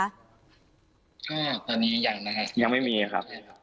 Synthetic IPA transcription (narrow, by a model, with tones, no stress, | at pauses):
ʔɔː˧˩t̪ɔː˧nːiː˦˥jaː˨˩ŋna˦kʰa˦˥ʔja˧ŋma˥˩jmiː˧a˨˩kʰa̰˦˥p̚